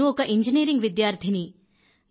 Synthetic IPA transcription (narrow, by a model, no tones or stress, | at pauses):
uɔkɐʔiɲd͡ʒiniːɾiŋɡʋid̪jaːɾt̪ʰini